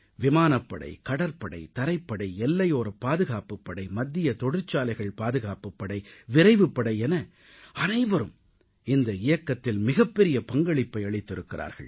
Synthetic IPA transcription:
ʋɪmaːnɐpːɐɽɐ̰ɪkɐɽɐɾpɐɽɐ̰ɪt̪ɐɾɐɪpːɐɽɐɪɛlːɐjoːɾɐpaːðɯɣaːpɯpːɐɽɐɪmɐd̪ːɪjɐt̪ɔɽɪɾt͡ʃːaːlɐɪɣɐɭpaːðɯɣaːpɯpːɐɽɐɪʋɪɾɐɪʋɯpːɐɽɐɪɛnɐ | ɐnɐɪʋɐɾɯm | ɪnd̪ɐɪjɐkːɐt̪ːɪlmɪɣɐpːɛɾɪjɐpɐŋɡɐɭɪpːɐɪɐɭɪt̪ːɪɾɯkːɪɾa̰ːɾɣɐ̰ɭ

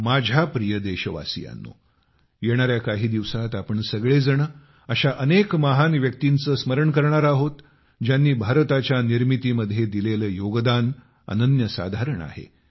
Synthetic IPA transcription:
mad͡ʑʱapɾijəd̪eɕəʋa̰sḭja̰nːo̰ | jeɽ̃aɾjakaɦiːd̪iʋsat̪apəɳsəɡɭed͡zəɳə | əɕaʔənekməɦanʋjək̚t̪int͡səːsməɾəɳkəɾɳaɾaɦot̪ | d͡ʑjanːiːbʱaɾt̪at͡ɕjaniɾmit̪iːməd̪ʱjed̪ileləːjoɡd̪an | ə̰nənjəsa̰d̪ʱaɾəɳa̰ɦḛ

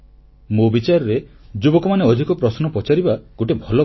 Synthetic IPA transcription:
mobit͡ʃaɾɔɾed͡ʒubɔkɔmaneɔd̪ʱikɔpɾɔsnɔpɔt͡ʃaɾibaɡoʈebʱɔlɔ

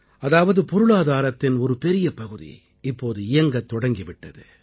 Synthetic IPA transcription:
ɐðaːʋɐðɯpɔɾɯɭaːðaːɾɐt̪ːɪnɔɾɯpɛɾɪjɐpɐɣɯðḭ | ɪpːoːðɯɪjɐŋɡɐt̪ːɔɽɐŋɡɪʋɪʈːɐðɯ

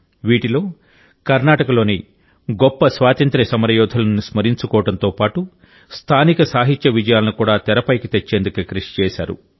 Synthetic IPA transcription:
ʋiːʈilo̞ː | kɐɾnaːʈɐkɐlo̞ːni | ɡɔpːɐsʋaːt̪ɐnt̪ɾɐsɐmɐɾɐjɔːd̪ʱɐlɐnnusmɐɾiɲt͡ʃukɔːɐɽɐnt̪o̞ːpaːʈu | st̪ʰaːnikɐsaːɦit̪jɐʋid͡ʒɐjaːlɐnukuːɽaːt̪ɛɾɐpɐjkit̪et͡ʃːeːnd̪ukɐkɾiʂi̥t͡ʃɛːʃa̰ːɾṵ

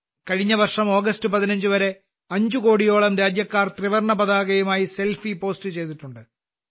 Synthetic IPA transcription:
kɐɻiɲːɐʋɐrʂɐmo̞ːɡɐstɨpɐðinɐɲd͡ʑuʋɐɾe̞ | ɐɲd͡ʑuko̞ːɽijo̞ːɭɐmɾaːd͡ʑjɐkːaːrt̪riʋɐrɳɐpɐðaːɣɐjumaːjise̞lfipo̞ːstɨt͡ɕe̞jt̪iʈːuɳɖɨ

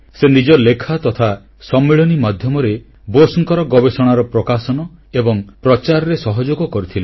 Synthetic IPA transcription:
senid͡ʒɔlekʰat̪ɔt̪ʰa | sɔmːeɭɔnimad̪ʱjɔmɔɾe | bosɔŋkɔɾɔɡɔbesɔɽ̃aɾɔpɾɔkasɔnɔebɔŋpɾɔt͡ʃaɾɔɾesɔɦɔd͡ʒoɡɔkɔɾit̪ʰile

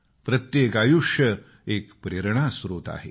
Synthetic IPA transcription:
pɾət̪jekajuʂjə | ekpɾeɾɳasɾoːt̪a̰ɦe

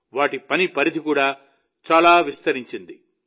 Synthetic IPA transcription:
ʋaːʈipɐnipɐɾid̪ikuːɽaː | t͡ʃaːlaːʋist̪ɐɾiɲt͡ʃind̪i

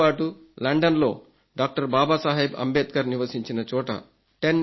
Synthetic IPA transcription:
aːʈu | lɐɳɖɐnloː | ɖaːk̚ʈɐɾbaːbasaːɦebɐ̰mbed̪kɐɾniʋɐsiɲt͡ʃinɐt͡ʃoːʈɐ̰ | ʈenː

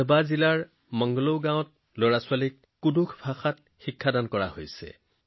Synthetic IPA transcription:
bazilaɹ | mɔŋɡɔlowɡãwɔ̃t̚ | loɹasʊalikːudukʰbʱaxat̚ | xikʰːadankɔɹa̰hojsɛ̰

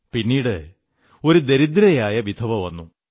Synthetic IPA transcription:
pinːiːɽɨ | o̞ɾud̪e̞ɾid̪ɾɐjaːjɐʋid̪ʰʱɐʋɐʋɐnːu

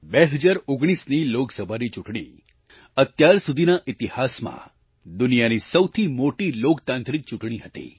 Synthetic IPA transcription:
beɦəd͡ʒaɾoɡɽ̃isniloksəbʱanit͡ʃuʈɳ̃ḭ | ət̪jaɾsud̪ʱinaʔɪt̪ihasmã̰ | d̪unijanisəwt̪ʰimoʈilokt̪ãnt̪ɾik̚t͡ʃuʈɳ̃iɦət̪ḭ

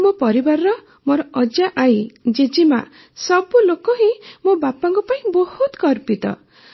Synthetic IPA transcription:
mopɔɾibaɾɾɔ | mɔɾɔɔd͡ʒaʔajd͡ʒed͡ʒima̰ | sɔbulokɔɦĩmobapaŋkɔpaĩbɔhut̪kɔɾpit̪ɔ̰

